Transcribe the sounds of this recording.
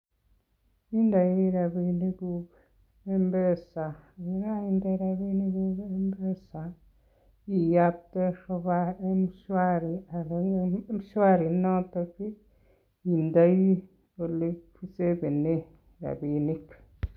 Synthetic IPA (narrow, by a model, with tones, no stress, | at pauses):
i˦nda˨ji˦ɾa˨βiːni˦ɡuβ | embesa˨iɾa˦inda˦iɾa˨βi˦niɡuɡe˦mbe˦sa | i˨ja˦pte˦ʃoβae˦muʃwaɾia˨ɾmiʃwa˦ɾi˨no˦toki˦ | i˨nda˦ji˦ | o˨li˦kfi˦se˦βi˨ne˦ | ɾa̰˨βiː˨nikḁ